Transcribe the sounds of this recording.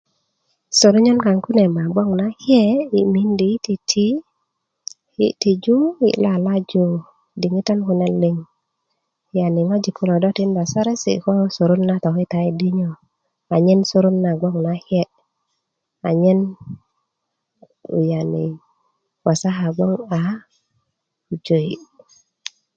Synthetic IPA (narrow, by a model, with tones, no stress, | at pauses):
so˨ɾu˦ɲɔ˦nka˨ŋku˦nɛ˨ma˨ɡ͡bɔ˦ŋna˦hjɛ˦i˨mi˦ndi˨˦ti˧tʰi˦ | hḭ˦ti˨d͡ʒu˦ḭ˨la˨la˦d͡ʒu˦ | di˨ŋi˦tɔ˦nku˧nɛ˨li˨ŋ | ja˨ni˨ŋɔ˦d͡ʒi˨ku˦lɔ˨dɔ˦ti˦nba˨sa˦ɾɛ˦sḭ˨kɔ˦so˨ɾu˦nːa˦t̪ɔ˨ki˦ta˨i˦di˦ɲɔ˨ | a˨ɲe˦nsu˦ɾu˦nːa˨ɡo˦ŋu˨na˦he˦ʔ | a˨ɲe˦n | ṵ˨ja˨nḭ˨ | wa˨sa˦ɦa˨ɡo˦ŋa˨ | u˨d͡ʒo˨j